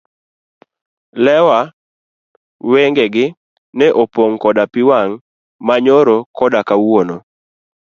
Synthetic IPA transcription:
lɛwa | weŋɡɛɡɪ | nɛʔopoŋkɔdapɪwaŋ | maɲoɾokɔdakawono

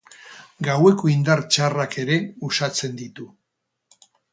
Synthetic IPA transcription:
ɡawe̞ko̞ind̪aɾt͡ʃarake̞ɾe̞usat͡se̞nd̪it̪u

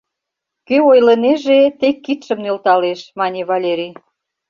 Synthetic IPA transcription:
køojləneʒet̪ekːit̪ʃə̆mnølt̪ɑleʃmɑnʲeβɑlʲeɾʲi

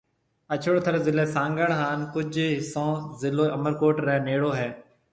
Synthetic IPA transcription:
ət͡ʃʰʊɽt̪ʰəɾzɪleːsãːŋɡəɳɦaːnkʊd͡ʒʱɦɪsõːzɪloːʔəməɾkoːʈɾɛ̃ːneːɽoːɦɛː

